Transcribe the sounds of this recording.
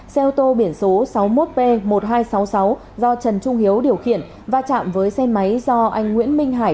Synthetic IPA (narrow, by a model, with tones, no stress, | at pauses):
sɛ˧wt̪o˧ɓi˧˩ənso˨˦sa˨˦wmo˦˥t̚pe˧mo˨˩t̚ɦaː˧jsa˨˦wsa˨˦w | zɔ˧t͡ɕə˨˩nt͡ɕʊ˧ŋ͡mi˨˦əwɗi˨˩əwxḭ˧˨ən | vaː˨˧t͡ɕa̰ː˧˨mvəː˨˦jsɛ˧ma˨˦jzɔ˧ʔa˧jŋ̟ŋwḭ˧˥ənmï˧ŋ̟ɦaː˧˩